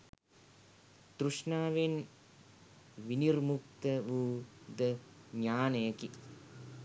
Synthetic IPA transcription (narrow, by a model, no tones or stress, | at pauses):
d̪̥ɾuʂnaːʋen | ʋinirmuk̚t̪əʋuːd̪əɲaːnəjəki